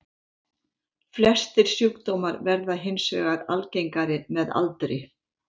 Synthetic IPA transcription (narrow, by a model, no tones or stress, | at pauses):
flɛst̪ɪɾ̥sjukt̪oːwmaɾvɛɾðaɦɪnsvœ̰ːɣaɾa̰lcejŋkaɾɪmɛða̰lt̪ɾɪ